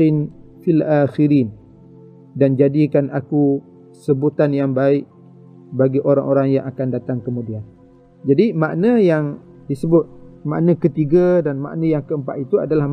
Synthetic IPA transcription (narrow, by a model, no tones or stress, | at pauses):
ɪnfilʔaːxiɾiːn | dand͡ʒadikanaku | səbut̪anjaŋbaɪʔ̚ | baɡiʔoɾa̰ŋʔoɾaŋja̰ŋakandat̪aŋkəmũdian | d͡ʒadimaʔnəjaŋ | disəbʊt̪̚ma̰ʔnə̃kət̪iɡadanma̰ʔnə̃jaŋkəəmpat̪̚it̪ua̰dalah